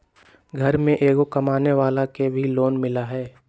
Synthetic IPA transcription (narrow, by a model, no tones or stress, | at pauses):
ɡʱɐɾmẽʔeːɡokɐmaːneʋaːlakebʱiloːnmɪlaɦɛː